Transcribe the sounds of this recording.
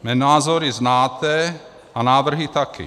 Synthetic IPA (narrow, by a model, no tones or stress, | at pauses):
mɛnaːzɔɾiznaːt̪ɛ | anaːʋr̩ɦit̪akḭ